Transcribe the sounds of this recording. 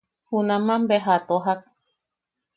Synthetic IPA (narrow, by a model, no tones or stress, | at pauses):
hunãmãmbeɦat̪oɦak̚